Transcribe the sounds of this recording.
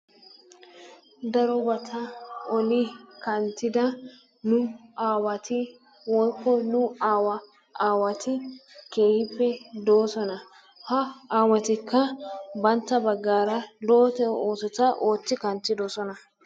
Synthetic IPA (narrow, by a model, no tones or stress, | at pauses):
d̪ɐɾɔbɐt̪ʰɐɔlɪkɐnt̪ːɪd̪ɐ | nʊaːwɐt̪ʰɪ | wɔjkːɔnʊaːwɐ | aːwɐt̪ʰɪke̞ːhɪpːɛd̪o̞ːsɔnɐ | hɐaːwɐt̪ɪkːɐbɐnt̪ːɐbɐɡːaːɾɐlo̞ːt̪ɛoːsɔt̪ɐʔo̞ːt͡sːɪkɐnt̪ːɪd̪osɔnɐ